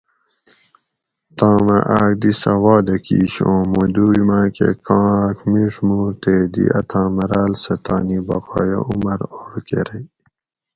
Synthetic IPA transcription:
t̪ãːmɐʔaːk̚d̪isɐwɑːd̪ɐkḭːɕõːmud̪uːwimaːkekãːkmiʂmut̪eːd̪ḭʔɐt̪ʰãːmɐɾaːlsɐt̪aːnibɐqɑːjɐ̰ʔumɐɾoːɾkḛɾɐj

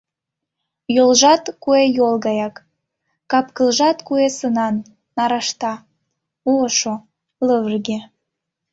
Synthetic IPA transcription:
jolʒɑt̪kuejolˠɣɑjɑkː | ɑpkəlʒɑt̪kuesənɑnː | ɑɾɑʃt̪ɑ | uəʃo | ləβərɣe

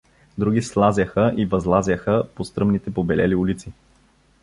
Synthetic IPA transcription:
d̪ɾuɡʲislˠazʲəxəʔivɐzlˠazʲəxəpost̪ɾɤmnit̪ɛpobɛlɛ̰liulit̪si

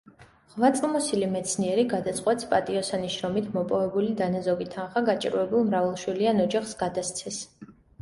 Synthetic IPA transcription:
ʁvat̪sʼlˠmɔsilimɛt̪sʰniɛɾiɡad̪at̪sʼqʼwɛt̪spʼat̪ʼiɔsaniʃɾɔmit̪ʰmɔpʼɔvɛbulid̪anazɔɡit̪ʰanχaɡat͡ʃʼiɾuɛbulˠmɾavɛlˠʃwilianɔd͡ʒaχsɡad̪ast̪sʰɛs

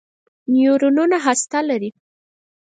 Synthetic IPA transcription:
njoɾununaɦast̪alaɾi

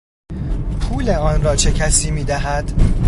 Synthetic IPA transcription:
pʰuːleɒːnrɒːt͡ʃʰe̞cʰæsiːmiːd̪æɦæd̪̥

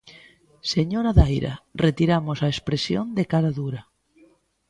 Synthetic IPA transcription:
seɲoɾaðajɾa̰ret̪iɾamosaespɾesjo̰nd̪ekaɾaðuɾa

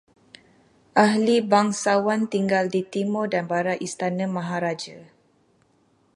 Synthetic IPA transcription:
ʔaɦlibaŋsawant̪iŋɡaldit̪imɔdanbaɾaʔist̪anə̃mãɦaɾad͡ʒa

